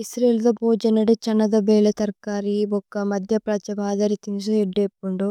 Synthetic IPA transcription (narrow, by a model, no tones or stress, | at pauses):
isɾeːld̪ɐboːd͡ʒɐnɐɽut͡ʃɐnːɐd̪ɐbeːlɐt̪ɐɾkaːɾibɔkːɐmɐd̪ʱjɐpɾɐt͡ʃɐbaːd̪ɐɾit̪insueɖːeːpːuɳɖu